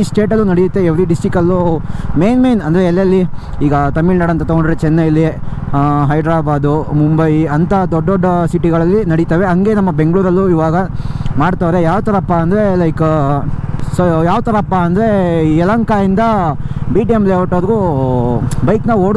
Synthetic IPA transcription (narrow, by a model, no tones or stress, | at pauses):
isʈe̞ːʈ̬ɐlːunɐɽijut̪ːeeʋɾiɖisʈɾikɐlːume̞ːnmejnɐnd̪ɐɾeːlːɐlːi | iːɡɐt̪ɐmːilnɐɽɐnt̪ɐt̪ɔɡoɳɖiɾet͡ʃɛnːeilːi | ɦɐjɖɾaːbaːd̪umumbɐjɐnt̪ɐd̪ɔɖːɔɖːɐsiʈiɡɐɭɐlːinɐɽit̪ɐʋe̞ɐŋɡe̞nɐmːɐbe̞ŋɡɭuːɾɐlːuiʋaːɡɐ | maːɽt̪aːʋɾe̞jaːʋt̪ɐɾɐpːaːnd̪ɐɾe̞lɐjk | sojaːʋt̪ɐɾɐːpːaɐnd̪ɐɾe̞ɛlɐŋkaːind̪ɐ | biːʈiemleːʋɐʈoːɾɡu | bɐjknɐʋoːɽ